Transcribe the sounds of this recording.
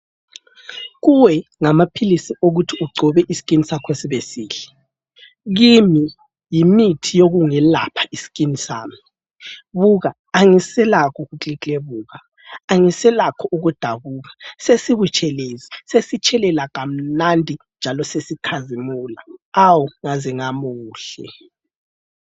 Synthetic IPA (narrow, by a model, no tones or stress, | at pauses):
ɣuwɛŋamapʰilisiʔoɣutʰiuɡ͡ǀʱɔβɛʔisi̥kʼinisakʰwesiβesiːɬɛ | ɣimi | jimitʰijoɣuŋɛla̰pʰḁisi̥kʼinisa̰ːmi | βuɣaːŋisɛlakʰɔɣut͡ɬit͡ɬʼeβuːɣa | aŋisɛlakʰɔʔuɣud̥ʱaβuːɣḁsesiβut͡ʃʰʼɛlezisesit͡ʃʰʼɛlɛlaɣam̩nandʱind͡ʒʱalɔsesikʰazimuːla̰awuŋaziŋamuːɬɛ̰